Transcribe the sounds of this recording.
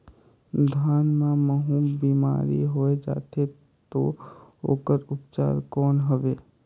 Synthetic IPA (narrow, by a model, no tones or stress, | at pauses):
d̪ʱaːnmãməɦũbiːma̰ːɾḭɦoed͡ʒa̰ːt̪e | t̪o̰o̰ːkəɾʊpt͡ʃa̰ːɾkɔːnɦəʋeː